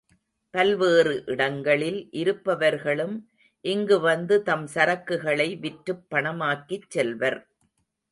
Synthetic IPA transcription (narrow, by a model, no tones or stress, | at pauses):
pɐlʋeːrɯʔɪɽɐŋɡɐɭɪlʔɪɾɯpːɐʋɐɾɣɐɭɯm | ʔɪŋɡɯʋɐnd̪ɯt̪ɐmsɐɾɐkːɯɣɐɭɐɪʋɪʈɾɯpːɐɳɐmaːkːit͡ʃːɛlʋɐɾ